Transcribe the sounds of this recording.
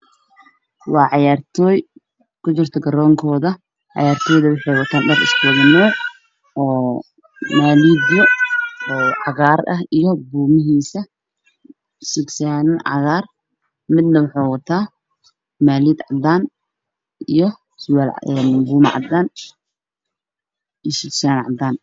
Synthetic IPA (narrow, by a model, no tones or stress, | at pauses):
wɑːʕɑjaːrt̪ʰɔːj | kʰʊt͡ʃɪrt̪ʰɐɡɐɾɔːŋkʰɔːðɐ | ʕɑ̰jaːrt̪ʰɔːjðɐwɪħɑjwɑt̪ʰaːnɖɐrɪ̰sbʊɣmɔː | ɔː | maːliːd̪jɔː | ʕɑɣaːrɐhijɔbuːmɪɦiːsɐ | sɪksaːnɐʕɑ̰ɣaːr | mɪd̪nɐwɑħɑːwɐt̪ʰaː | maːliːd̪ʕɑ̰d̪aːn | ijɔ | swaːlɛnbuːmɐ̰ʕɑ̰d̪aːn | isɪksaːnʕɑ̰d̪aːn